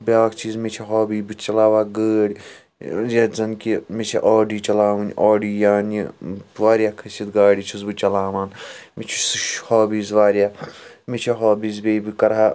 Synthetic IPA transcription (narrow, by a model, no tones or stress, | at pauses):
bʲaːkt͡ʃʰiːzmet͡ʃʰɐɦoːbiːbɨt͡ʃɐlaːʋaːɡəːɽʲ | jɐzɐnkimit͡ʃʰɐʔaːɖiːt͡ʃɐlaːʋɨnʲʔaːɖiːjaːniʋaːɾʲjaːkʰɐsit̪ɡaːɽit͡ʃʰuzbɨt͡ʃɐlaːʋaːnmit͡ʃʰi̥suʃhoːbiːzʋaːɾjaːmit͡ʃʰɐɦaːbiːzbeːbɨkɐɾɦaː